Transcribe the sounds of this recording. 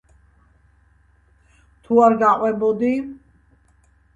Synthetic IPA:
t̪ʰuaɾɡaqʼwɛbɔd̪i

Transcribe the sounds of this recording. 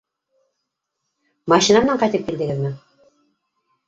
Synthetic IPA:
mɑʃinamɘ̆næɴqɑjt̪ɘp̚kild̪ɘ̆ɡɘ̆ðmɘ

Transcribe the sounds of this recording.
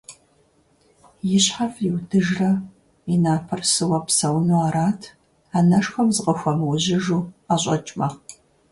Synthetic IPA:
jɪɕħafjɪwdɨʒrɐ | inaːpʰɐrsɨwɐpsɐwnuaɾaːtʰ | aːnɐʂxʷɐmzɨqʼəxʷɐmwʊʑɪʒuːaːɕʼɐt͡ʃʼmɐ

